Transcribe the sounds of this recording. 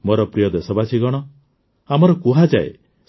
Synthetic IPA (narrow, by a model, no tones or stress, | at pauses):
moɾɔpɾijɔd̪esɔbat͡ʃʰiɡɔɽ̃ɔ | amɔɾɔkuɦad͡ʒaḛ